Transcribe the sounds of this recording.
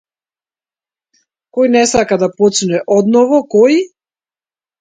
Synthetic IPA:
kɔjnɛsakad̪apɔt͡ʃnuɛʔɔd̪nɔvɔkɔj

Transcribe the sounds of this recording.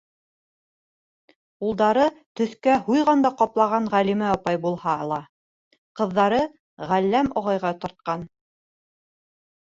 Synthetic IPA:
ulˠd̪ɑɾɤt̪ɵ̆θkæhujʁɑnd̪ɑqɑplˠɑʁɑnʁælimæɒpɑjbulˠhɑlˠɑ | qɤ̆ðːɑɾɤ | ʁælːæmŏʁɑjʁɑt̪ŏɾt̪̚qɑn

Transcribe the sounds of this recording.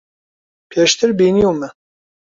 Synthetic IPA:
pʰeːʃt̪ɪɾbiːnijoːmɛ

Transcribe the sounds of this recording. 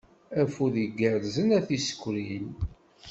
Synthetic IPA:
æfuðiɡəɾzənæθisə̥kʷːɾin

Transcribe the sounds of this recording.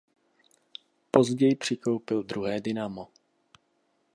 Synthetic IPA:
po̞zɟɛjpr̥ɪko̞wpɪld̪ɾuɦɛːdɪnamo

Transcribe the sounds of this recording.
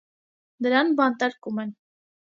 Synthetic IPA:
d̪əɾɑnbɑnt̪ɑɾkumɛn

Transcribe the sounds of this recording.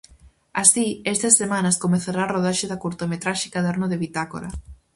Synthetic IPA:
asiest̪ɐsːemãnɐskomeθaɾaːroðaʃeðakuɾt̪omet̪ɾaʃɪ̥kaðeɾnoðeβit̪ako̰ɾa̰

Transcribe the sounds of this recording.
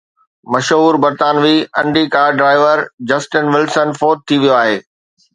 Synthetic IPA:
mɐʃɦuːɾbɐɾt̪aːnʋiːɐ̃ɳɖikaːɾɖɾaːɪʋəɾd͡ʑɐsʈɪnʋɪlsənfoːt̪̚t̪ʰːiʋijoaːɦeː

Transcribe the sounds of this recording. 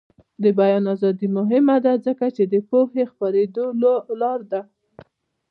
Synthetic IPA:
d̪əbajɑnɑzɑd̪imʊɦɪmad̪azəkat͡ʃed̪əpohexpaɾed̪ololɑɾd̪a

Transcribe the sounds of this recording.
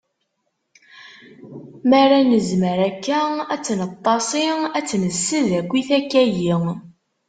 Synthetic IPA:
mæɾænəzməɾækːææt͡sːnət̪ˤːɑsˤɪæt͡sːnəsːəðækʷːiθækːæjiŋ

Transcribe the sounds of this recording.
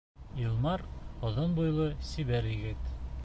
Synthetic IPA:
ilˠmɑɾŏðɤnbujlˠɤsiβæɾjɘ̆ɡɘt̪

